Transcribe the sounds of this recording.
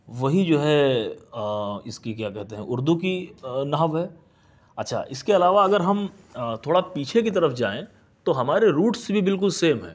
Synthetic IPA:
ʋɐɦid͡ʒoːɦɛ | ɪskikjaːkɛɦt̪eɦɛ̃ʔʊɾd̪ukinɐɦəʋɦɛː | ɐtːʃʰa̰ːʔɪskeɐlaːʋaɐɡəɾɦɐm | t̪ʰoːɽapiːt͡ʃʰekit̪ɐɾəfd͡ʒa̰ːẽ | t̪oɦɐmaːɾeɾuːʈsebʱibɪlk̬ʊlseːmɦɛ̰̃ː

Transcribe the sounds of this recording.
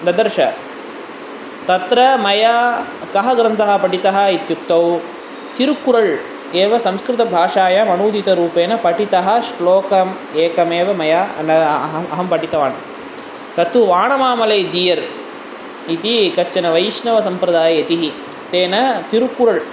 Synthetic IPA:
nd̪ɐd̪ɐɾʃɐ̰ | t̪ɐt̪ɾɐmɐjaːkɐɦɐɡɾɐnt̪ɐɦɐpɐʈit̪ɐɦɐit̪jukt̪ːɐw | t̪iɾukuɾɐɭ | eːʋɐsɐmskɾɪt̪ɐbʱaːʂaːjɐmɐnuːd̪it̪ɐɾuːpeːnɐpɐʈit̪ɐɦɐ̆ʃloːkɐm | eːkɐmeːʋɐmɐjaːnɐɦɐɦɐmpɐʈit̪ɐʋaːnɐ | t̪ɐt̪ʰuʋaːɳɐmaːmɐleːd͡ʒiːjɐɾ | it̪ikɐst͡ʃɐnɐʋɐjʃnɐʋɐsɐmpɾɐd̪aːjɐɐt̪iɦi | t̪eːnɐt̪iɾukuɾɐɭ

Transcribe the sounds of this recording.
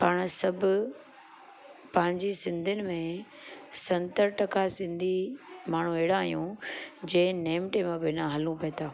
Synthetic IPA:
paːɽ̃sɐbʱʊ | pɐ̃ɦɪ̃ɲd͡ʑisɪ̃nd̪ʱʊnɪ̆mẽ | sɐ̃nt̪əɾʈɐkasɪ̃nd̪ʱimaːɳ̤ũeɦɪɽãːɦijũd͡ʑẽːneːmʈemãbɪnãɦɐlũpɐːt̪ʰaː

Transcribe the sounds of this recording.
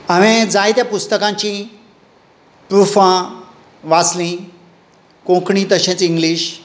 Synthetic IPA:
aʋẽd͡zajt̪japust̪əkãɲt͡ɕĩ | pɾufã | ʋaslĩ | kõkɳĩːt̪əɕẽt͡siŋɡliːɕ

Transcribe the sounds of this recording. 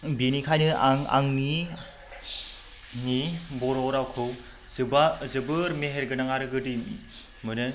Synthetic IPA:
binikʰajnɯaŋa̰ŋni | nibɔɾɔɾawkʰɯw | zbazɯbɯɾmeɦeɾɡɯnaŋaɾɯɡɯdi | mɯnɯ

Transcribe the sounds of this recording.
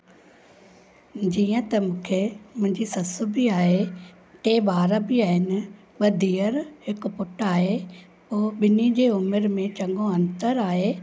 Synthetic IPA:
d͡ʑiːə̃t̪ɐmũːkʰemʊ̃ɦɪ̃ɲd͡ʑisɐsʊbʱiaːɦe | ʈeːɓaːɾəbiaːɦɪnɪ̆ | ɓɐd̪ʱiːəɾhɪkpʊʈaːɦe | poːɓɪnid͡ʑeːʊmɪɾmẽt͡ɕɐ̃ŋɡõɐ̃nt̪əɾaːɦeː

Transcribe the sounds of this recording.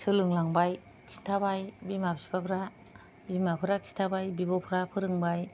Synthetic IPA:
sɯlɯŋlaŋbaj | kʰi̥tʰabajbimabsi̥papʰɾa | bimapʰɯɾakʰi̥tʰabajbibɔpʰɯɾapʰɯɾɯŋbaj

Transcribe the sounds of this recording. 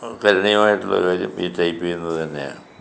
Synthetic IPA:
kɐɾɐɳijɐmaːjiʈːuɭːɐ̰kaːɾjumiːtːɐjpːijunːɐt̪ɐnːeja̰ːɳɨ

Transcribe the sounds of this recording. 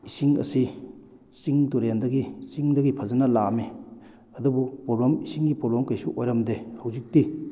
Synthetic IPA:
isiŋɐ̰si | siŋtuɾendɐɡisiŋdɐɡipʰɐzɐnɐlame | ɐdubupɾoblamisiŋɡipɾoblamkɐjsuʔojɾɐmdehɐwzik̚ti

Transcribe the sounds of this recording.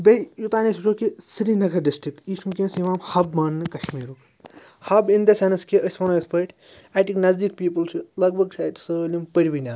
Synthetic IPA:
bɐjut̪aːnisut͡ʃʰoːkisɨɾinɐɡʰɐɖisʈɾikiʃʰumkʲẽːnsiʋaːmhɐbmaːnnɨkɐʃmiːɾuk | hɐbind̪ɐsʲɐnɐskiʔɐsʋɐnoekspɐʈ | aʈiknɐzd̪ikpiːpɐlt͡ʃʰilɐɡ̚bʱɐɡt͡ʃʰat̪solʲimpəɾʲʋinʲaː

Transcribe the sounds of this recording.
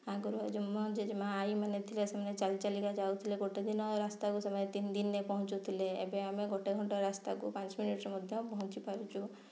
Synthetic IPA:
aɡuɾd͡ʒumɔ̃d͡ʒed͡ʒmãajmanet̪ʰilesemnet͡ʃalt͡ʃaliɡad͡ʒaut̪ʰileɡoʈed̪inɔɾast̪akusəməjet̪ind̪inːepɔɦʊ̃t͡ʃut̪ʰileebeameɡoʈeɡʱɔɳʈɔɾast̪akupãt͡ʃminiʈɾmɔd̪ʱjɔ̃pɔɦũt͡ʃipaɾut͡ʃʰu

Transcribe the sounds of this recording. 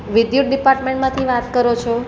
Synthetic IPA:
ʋɪd̪juʈ̚ɖipaɾʈmẽɳʈmãt̪ʰiʋat̪kəɾot͡ʃʰo

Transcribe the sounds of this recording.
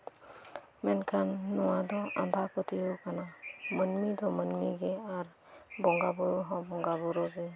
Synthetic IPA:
mɛnkʰanːɔwad̪ɔʔãnd̪ʱakɔt̪iəwkanamənmid̪ɔmənmiɡɛaɾ | bɔŋɡabuɾɔɦɔ̃bɔŋɡabuɾɔɡɛ

